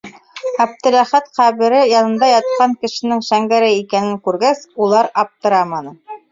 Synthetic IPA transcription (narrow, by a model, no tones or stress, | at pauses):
ɑb̚t̪ɘ̆læχæt̪qæβɘ̆ɾɘjɑnɤ̆nd̪ɑjɑt̪̚qɑŋkɘ̆ʃɘ̆nɘŋʃæŋɡæɾɘikænɘŋkʉɾɡæsulˠɑɾɑp̚t̪ɤ̆ɾɑmɑnɤ